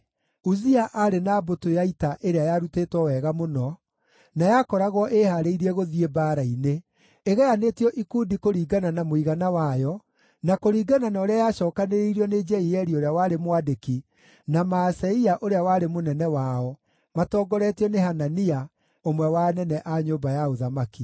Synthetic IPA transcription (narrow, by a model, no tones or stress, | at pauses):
uziaʔaɾenaːbotojaitaʔeɾeajaɾuteːtwɔwɛːɣamonɔ | najakɔɾaɣwɔʔehaɾeiɾiɛɣoðiebaːɾaineː | ɣɛanetiɔʔikuːdikoɾiːɡananamoiɣanawajɔ | nakoɾiːɡananaːɾeajaːɕɔːkaneɾeiɾiɔned͡ʒɛiɛɾioɾeawaːɾemwadeki | namasɛiaʔoɾeawaːɾemonɛnɛwaɔ | matɔːɡɔɾɛtiɔneɦanania | omwɛwanɛnɛʔaɲoːbajaoðamaki